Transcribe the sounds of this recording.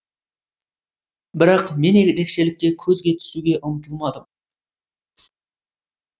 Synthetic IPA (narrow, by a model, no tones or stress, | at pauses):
bɪɾɑqme̞neɡʲɾe̞kʃe̞lɪk̚t̪e̞kʲʰɵzɡʲe̞t̪ʰʏ̥suɡʲe̞ʔʊmət̪əlˠmɑd̪əm